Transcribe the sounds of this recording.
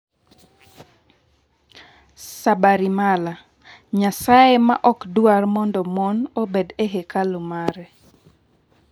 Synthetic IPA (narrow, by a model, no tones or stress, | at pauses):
sabaɾimala | ɲasajema̰ʔɔkdwarmɔndɔmonobedeɦekalomaɾɛ